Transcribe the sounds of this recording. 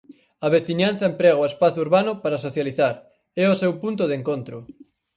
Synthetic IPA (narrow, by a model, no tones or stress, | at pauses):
aβeθiɲanθɐempɾɛɣoespaθuɾβanʊpaɾasoθjaliθaɾ | ɛosewpunt̪ʊðeŋkont̪ɾʊ